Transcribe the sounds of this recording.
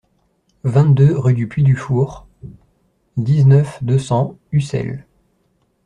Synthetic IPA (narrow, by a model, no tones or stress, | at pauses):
vɛ̃t̪̚d̪øʁyd̪ypɥid̪yfuʁ | d̪iznœfd̪øsɑ̃ysɛ̰l